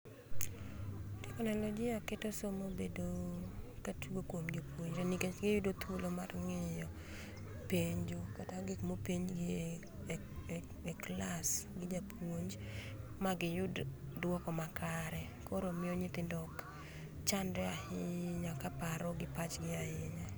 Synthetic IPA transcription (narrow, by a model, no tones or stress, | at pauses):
tɪkɔnalɔd͡ʒɪaketosomobedokatuɡokwomd͡ʒopwoɲd͡ʒonikeɡɪjʊdot̪wolomarŋɪjɔ | peɲd͡ʒokataɡɪkmopiɲɡɪ | ɛklasɡɪd͡ʒapʰwoɲd͡ʒ | maɡɪjʊddwɔkɔmakaɾɛ | koɾomɪɔɲɪt̪ɪndɔk | t͡ʃandɛahɪɲakapaɾɔɡɪpat͡ʃɡɪaɪnɛ